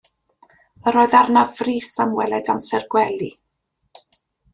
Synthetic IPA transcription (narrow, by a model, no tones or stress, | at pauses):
əɾoːɨðarnavriːsamwɛlˠɛdamsɛrɡwɛlˠi